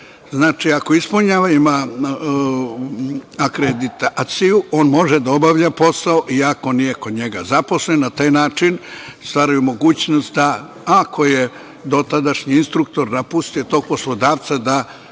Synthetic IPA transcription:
znaːt͡ʃiako̞ispuɲaːʋaima | akɾed̪it̪at̪siuʔo̞ːnmo̞ʒed̪ao̞baʋʎapo̞saoʔiako̞nije̞kod̪ɲe̞ɡazapo̞slennat̪aːjnaːt͡ʃinst̪ʋaːɾajumo̞ɡuːt͡ɕnost̪d̪a | akʰo̞je | d̪o̞t̪ad̪aʃɲiinst̪ɾuk̚t̪o̞ɾnapust̪ijo̞t̪o̞ːɡ̚po̞slˠo̞d̪aːʋt̪sad̪a

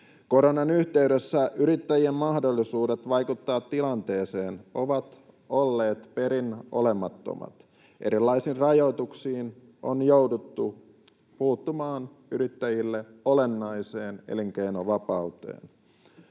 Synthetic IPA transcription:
ko̞ɾonɑnyçt̪e̞ydøsːæyɾit̪ːæjiemmɑhdolːisuːde̞t̪ʋɑjkut̪ːɑːt̪ːilɑnt̪e̞ːseːno̞ʋɑt̪ | o̞lːeːt̪pe̞ɾinʔo̞̰le̞mɑt̪ːo̰mɑ̰t̪ | ʔe̞ɾilːɑisiːrrɑjo̞it̪uksiːn | ʔo̰njo̞wdut̪ːu | puːt̪ːumɑːn | yɾit̪ːæjilːe̞o̞le̞nːɑjse̞ːnḛliŋk̟einoʋɑpɑut̪ḛːn

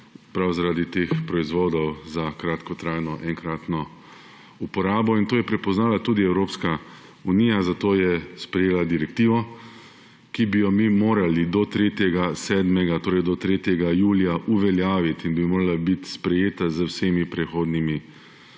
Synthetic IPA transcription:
pɾawzaɾaːd̪it̪eːxpɾɔizʋoːd̪ɔwzakɾat̪kɔt̪ɾajnɔʔɛŋkɾaːt̪nɔ | upɔɾaːbɔint̪oːjɛpɾɛpɔznaːlat̪uːd̪iɛwɾoːpska | uniːjazat̪oːjɛspɾɛjeːlad̪iɾɛkt̪iːʋɔ | kibijɔmimoːɾalid̪ɔt̪ɾeːt̪jɛɡasɛːd̪mɛɡat̪oːɾɛjd̪ɔt̪ɾeːt̪jɛɡajuːlijaʔuʋɛljaːʋit̪inbimoːɾalabit̪spɾɛjeːt̪azəwseːmipɾɛxoːd̪nimi

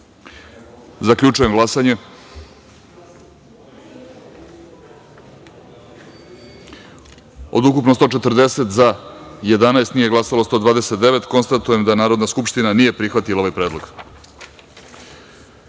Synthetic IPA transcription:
zakʎʲut͡ʂujemɡlˠasaɲe̞ | o̞̰d̪ukupnost̪o̞ːt͡ʂet̪r̩d̪e̞set̪zaje̞d̪anaest̪nije̞ɡlˠasalost̪o̞ːd̪ʋaːd̪eset̪̚d̪eʋe̞t̪ko̞nst̪at̪uje̞md̪anaːɾo̞d̪naskupʂt̪inanije̞pɾixʋat̪ilao̞ʋajpɾe̞ːd̪lo̞̰ɡ̥

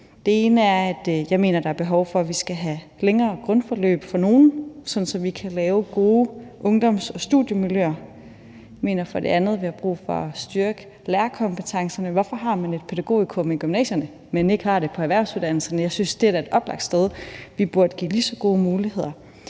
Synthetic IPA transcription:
d̥e̝e̝ːnəæɐæd̥jɑ̈ɪme̝̰ːnɐd̥ɑ̈æɐb̥e̝ɦɒʊfɒ̽ʋisɡ̥æɦæ | leŋɐːɡ̥ʁɔnfɒlø̰ːb̥fɒ̽no̝ːn̩sɒ̽n̩sɒ̽ʋikʰælɛːʊɡ̥o̝ːʔɔ̽ŋd̥ɒm̰sɒ̽sd̥ṵðˠjəmiljø̰ːɐ | me̝̰ːnɐfɒ̽de̝ænð̞̩ˠʋihɑ̈b̥ʁṵːfɒ̽ɒsd̥yɐɡ̥ə | leːɐkʰɒ̽mb̥ət͡sʰɑ̈ŋsɐnəʋɒfɒ̽ɦɑ̈mæne̝d̥̚pʰeɾ̥æɡ̥o̝̰ːikʰomiɡ̥ymnɛ̰ːɕjɐnə | mene̝ɡ̥hɑ̈ɾ̥e̝pʰɒ̽æʋæɐʊsuðˠd̥æn̰l̩sɐnəjɑ̈ɪsynsd̥e̝æɐɾ̥æe̝d̥ɒ̽b̥lɑ̈ɡ̥d̥sd̥eð̞ˠʋib̥uɐd̥əɡ̥ḭːlisɒ̽ɡ̥o̝ːmuːlihe̝ð̞̰ˠɐ

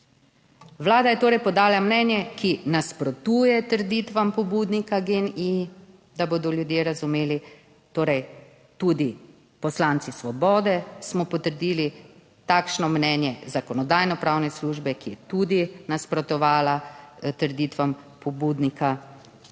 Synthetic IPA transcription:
ʋlaːd̪ajɛt̪oːɾɛjpɔd̪aːlamnɛnjɛkinaspɾɔt̪uːjɛt̪əɾd̪it̪ʋampɔbuːd̪nikaɡeni | d̪aboːd̪ɔljud̪jeːɾazumeːli | t̪oːɾɛj | t̪ud̪i | pɔslaːnt̪sisʋɔbɔːd̪ɛsmɔpɔt̪əɾd̪iːli | t̪akʃnɔmnɛːnjɛzakɔnɔd̪aːjnɔpɾawnɛsluːʒbɛkijɛt̪uːd̪inaspɾɔt̪ɔʋaːlat̪əɾd̪it̪ʋampɔbuːd̪nikʰa

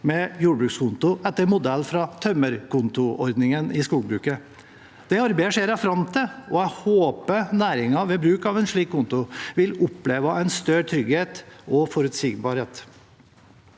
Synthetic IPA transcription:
mɛjuːɖbɾʉkskʰʊnt̪ʊʔɛt̪ːəɾmʊd̪ɛlːfɾɑt̪ʰœməɾkʰʊnt̪ʊɔɾd̪nɪŋənɪskuːɡbɾʉːkə | d̪̥ɛɑɾbæɪəʂeːɾɑfɾɑmt̪ʰɛɔæɪhoːpənæːɾɪŋɑʋɛːbɾʉːkɑʋɛnʂɭiːkkːʊnt̪ʊʋɪlʊpleːʋɑʔæɪnst̪œɾt̪ʰɾʏɡheːt̪ɔfɔɾʉt̪siːɡbɑɾheːt̪

